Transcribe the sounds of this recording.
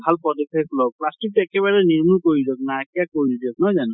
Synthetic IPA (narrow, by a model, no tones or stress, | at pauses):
bʱalpɔdekʰajklɔplastik̚tuɛkɛβaɹɛniɹmulkoɹidɔk̚naakijakoɹidiɔk̚nɔjzan